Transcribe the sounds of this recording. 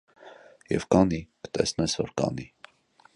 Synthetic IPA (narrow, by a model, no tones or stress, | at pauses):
jɛ̰vkɑnikə̥t̪ɛsnɛsvɔɾkɑ̰ni